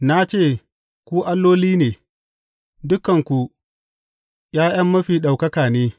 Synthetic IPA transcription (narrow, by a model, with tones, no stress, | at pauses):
na˦t͡ʃeː˦˨ | kʷu˦ʔa˦lːoː˦liː˦neː˨ | dʊ˦kːɐ˨ŋkʷu˨ | jaː˦j̰ɐ˦mːɐ˦ɸiː˨ɗa˨wkɐ˦kaː˨neː˦